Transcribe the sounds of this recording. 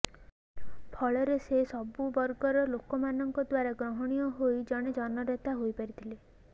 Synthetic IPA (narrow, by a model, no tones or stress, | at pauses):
pʰɔɭɔɾesesɔbubɔɾɡɔɾɔlokɔmanɔŋkɔd̪waɾaɡɾɔɦɔɽ̃ijɔɦojd͡ʒɔɽ̃ed͡ʒɔnɔɾet̪aɦojpaɾit̪ʰile